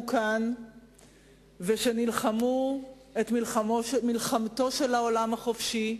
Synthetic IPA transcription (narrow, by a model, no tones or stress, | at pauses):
kan | veʃe̞nilχamu | etmilχamomilχamto̞ʃe̞laolamhaχofʃi